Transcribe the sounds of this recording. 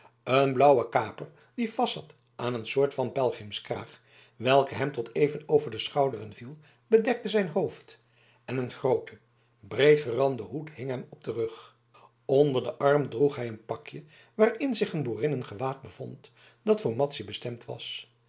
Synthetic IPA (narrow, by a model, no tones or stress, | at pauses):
ənblʌwəkaːpər | difɑsɑt | ʔaːnənsʊːɹtfɑnpɛlˠχɪmskra̰ːχ | ʋɛlˠkəɦɛmtɔtʰejvənowvəɹdəsχɑwdərənvilˠ | bədɛk̚təzɛjnɦowft | ɛnənχrowtʰə | brejtχərɑndəɦutɦɪŋɦɛmɔb̚dərɵχ | ondəɹdəʔɑɹmdruχɦɛjənpɑkjə | ʋaːɹɪnzɪχənbuːrɪnənχəʋaːd̚bəv̥ɔnt | d̥ɑtfʊːɹmɑtsibəstɛmtʋɑ̰s